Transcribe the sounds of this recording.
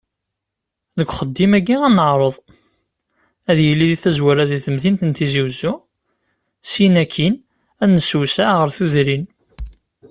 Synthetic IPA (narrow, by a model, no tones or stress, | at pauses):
ðəɡʷχəd̪ːimæɡiænəʕɾˤəðˤ | æðjəlːiðiθæzwaɾæðiθəmðint̪ənt̪iziwzu | sinækʰːin | ænəsusæʁəɾθuðɾin